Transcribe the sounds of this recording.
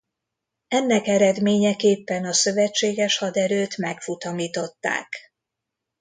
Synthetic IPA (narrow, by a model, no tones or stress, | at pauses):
ɛnːɛkɛɾɛd̪meːɲɛkeːpːɛnɒsø̞vɛt͡ʃːeːɡɛʃhɒd̪ɛɾøːt̪mɛkfut̪ɒmiːt̪o̞t̪ːa̰ːk